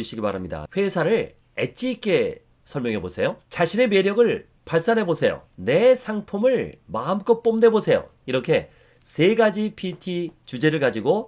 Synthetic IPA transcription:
uɕʰiɡipaɾamɲida̰ɸwe̞sʰaɾɯɭ | ḛt͡ɕ͈ʰik͈e | sʰʌɭmjʌŋɦe̞bosʰe̞jot͡ɕaɕʰine̞me̞ɾjʌɡɯɭ | paɭs͈anɦe̞bosʰe̞jo̰ne̞sʰaŋpʰumɯɭmamk͈ʌp͈omde̞bosʰe̞jo̰ | iɾʌkʰe̞ | se̞ɡad͡ʑipʰitʰit͡ɕud͡ʑe̞ɾɯɭkad͡ʑiɡo

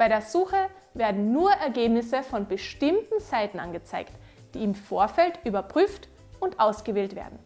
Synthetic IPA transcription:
b̥aɪɾeːɐzuːxə | veːɐdn̩nuːɐʔɛɐɡeːbnɪsəfɔnbəʃtɪmtn̩zaɪtn̩ʔa̰nɡət͡sa̰ɪkt | d̥iːɪmfoːɐfɛltʔyːbɐpʁ̥yːft | ʊntʔaʊsɡ̥əveːltv̥ḛːɐdn̩

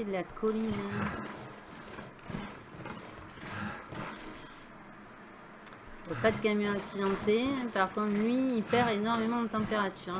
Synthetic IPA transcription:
ed̪əlakʰɔlin | vɔpad̪əkamjɔ̃aksid̪ɑ̃t̪epaʁkɔ̃t̪lɥiːpɛʁenɔʁmemɑ̃d̪ət̪ɑ̃peʁat̪ʰyːʁ

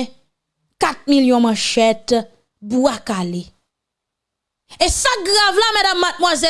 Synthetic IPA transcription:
kat̪̚miljɔ̃mãʃɛt̪ | buakale | esaɡʁavlamɛdamːat̪̚mwazɛ

